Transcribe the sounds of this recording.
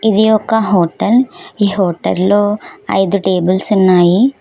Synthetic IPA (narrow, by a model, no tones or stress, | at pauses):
id̪iɔkːɐɦoːʈɐliːɦoːʈɐ̰llo̞ːɐ̰jd̪uʈe̞ːbulsunːaːji